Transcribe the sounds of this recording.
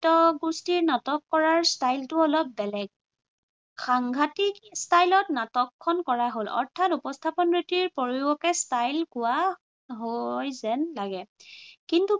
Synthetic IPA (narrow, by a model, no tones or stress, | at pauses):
tɔɡustiɹnatɔkːɔɹaɹstajltʊɔlɔp̚bɛlɛɡ̚ | xaŋɡʱatikstajlɔtnatɔkʰːɔnkɔɹaɦolɔ̰ɹtʰatupɔstʰapɔnɹitiɹpɔɹiwɔkɛstajlkʊwa | ɦojzɛnlaɡɛkintu